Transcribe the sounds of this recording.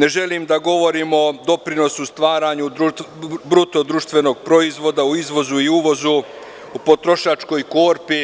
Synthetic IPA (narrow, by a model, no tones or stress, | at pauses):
ne̞ʒe̞limd̪aɡo̞ʋo̞ɾiːmo̞d̪o̞pɾino̞sust̪ʋaːɾaːɲud̪ɾubɾut̪o̞d̪ɾuːʃt̪ʋe̞no̞ːɡ̚pɾo̞izʋo̞d̪auizʋo̞zuiuʋo̞zu | upo̞t̪ɾo̞ʃat͡ʃko̞jko̞ːɾpi